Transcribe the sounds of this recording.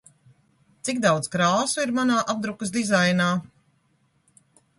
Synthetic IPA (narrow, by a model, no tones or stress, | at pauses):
t̪sikd̪awd̪zkɾaːsuiɾmanaːʔab̚d̪ɾukɨsd̪izajnaː